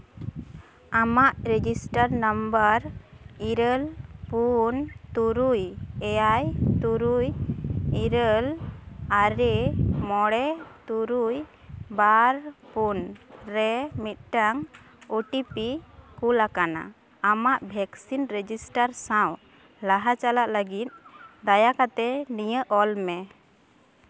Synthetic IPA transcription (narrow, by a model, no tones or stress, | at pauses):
amaʔɾɛd͡ʒisʈaɾnəmbəɾiɾəlpunt̪uɾujɛjajt̪uɾujiɾəlaɾɛmɔɽɛt̪uɾuj | baɾpunɾɛmit̪̚ˀʈaŋ | uʈipikulakana̰ | amaʔbʱɛksinɾed͡ʒisʈaɾsãw | laɦat͡ʃalaʔləɡit̪̚d̪ajakat̪ɛnijəʔɔlmɛ